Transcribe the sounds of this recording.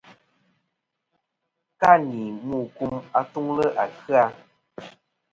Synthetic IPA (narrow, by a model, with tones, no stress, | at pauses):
ka˦ni˨mu˦˨ku˦ma˦tu˦ŋlə˦ʔa˨kɨ˦a˦